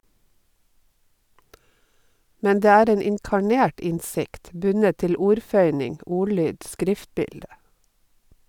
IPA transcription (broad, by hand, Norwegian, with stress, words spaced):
ˈmæn ˈdeː ˈæːɾ ˈeːn ɪŋkɑˈɳeːʈ ˈɪnsɪkt ˈbʉnət ˈtɪl ˈuːɾˌfœʏnɪŋ ˈʊˌɭyːd ˈskɾɪftˌbɪldə